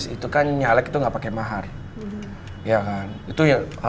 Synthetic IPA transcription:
sit̪ukanɲalɛkit̪uŋɡapakɛmaɦar | jakanit̪uaha

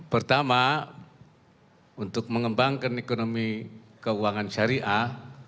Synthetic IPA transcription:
pərt̪ama | unt̪ʊk̚məŋəmbaŋkanekonomi | kəuaŋanʃaɾiʔa

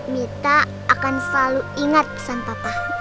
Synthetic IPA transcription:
mit̪a | ʔːkansəlaluiŋat̪̚pə̥sanpapah

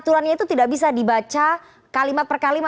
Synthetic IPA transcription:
t̪uɾanɲait̪ut̪idaʔbis̬adibat͡ʃa | kalimat̪̚pərkalima

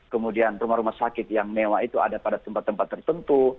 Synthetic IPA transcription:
kəmudianrumahɾumasakɪt̪jaŋnewait̪ua̰dapadat̪əmpat̪ːəmpat̪ːərt̪ənt̪u

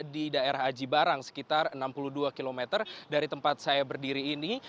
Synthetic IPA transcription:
didaeɾaɦad͡ʒibaɾaŋsə̥kit̪arənampuluhduakilomɛt̪ərdaɾit̪əmpat̪̚sajabərdiɾiːni

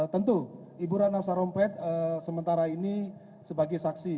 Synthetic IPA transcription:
t̪ənt̪u | ibuɾanasaɾɔmpɛt̪̚əsəmənt̪aɾaini | səbaɡajsaksi

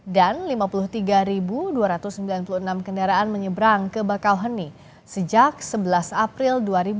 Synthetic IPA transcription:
danlimapuluht̪iɡaɾibuduaɾat̪ʊsəmbilanpuluhənamkəndaɾaʔanməɲəbɾaŋkəbakawɦəni | səd͡ʒak̚səbəlasapɾilduaɾibu

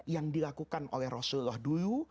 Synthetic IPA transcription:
jaŋdilakukanʔo̰lɛhrosullɔhduju

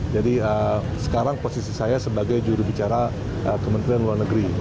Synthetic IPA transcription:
d͡ʒadiəsə̥kaɾaŋposisisajasəbaɡajd͡ʒuɾubit͡ʃaɾa | əkəmənt̪ɾianluarnəɡəɾi

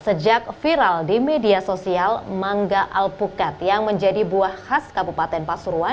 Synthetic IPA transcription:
səd͡ʒak̚fiɾaldimediasosialmaŋɡaʔalpukat̪̚jaŋməɲd͡ʒadibuahhaskabupat̪ɛnpasuɾua

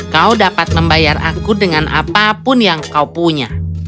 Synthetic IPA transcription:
kaudapat̪̚məmbajara̰kudəŋanʔa̰papʊnjaŋkaupuɲa

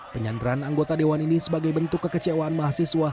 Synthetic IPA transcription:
pəɲandəɾanaŋɡot̪adewaninisəbaɡajbənt̪ʊkːəkət͡ʃewaːnmaɦasisua

